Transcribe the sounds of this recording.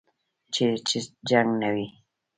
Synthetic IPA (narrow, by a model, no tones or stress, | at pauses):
t͡ʃet͡ʃid͡ʒaŋnawi